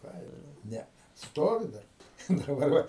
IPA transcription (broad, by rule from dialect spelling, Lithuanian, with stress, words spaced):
ˈkɑː ɪr ˈnʲɛ ˈstoːʋʲɪ ˈdɐr dɐˈbɐr ˈʋɐ